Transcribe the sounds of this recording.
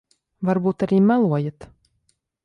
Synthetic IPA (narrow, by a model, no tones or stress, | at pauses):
vaɾbuːt̪aɾiːmælˠuɔjat̪